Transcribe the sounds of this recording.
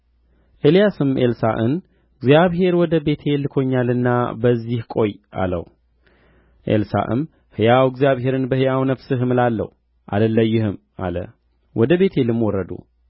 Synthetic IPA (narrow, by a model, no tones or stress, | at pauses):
ʔɨlijasɨmʔelsa̰ʔɨ̰n | ɨɡzjaβɦe̞ɾwɔd̪əbe̞t̪ʰe̞lɨkʰo̞ɲːalɨnːabəzːihkʼo̞jʔa̰lə̰w | ʔḛlsa̰ʔɨ̰m | hɨjawɡzjaβhe̞ɾɨnbəhɨjawnəfsɨɦɨmɨlalːə̰hu | ʔa̰d̪əlːəjːɪhɨm | a̰lə̰ | wʔɔd̪əβe̞t̪ʰe̞lɨmwɔɾəd̪ṵ